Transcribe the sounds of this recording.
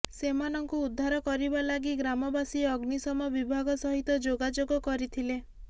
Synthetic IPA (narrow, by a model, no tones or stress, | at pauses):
semanɔŋkuːd̪ʱːaɾɔkɔɾibalaɡiɡɾamɔbasiɔɡnisɔmɔbibʱaɡɔsɔɦit̪ɔd͡ʒoɡad͡ʒoɡɔkɔɾit̪ʰile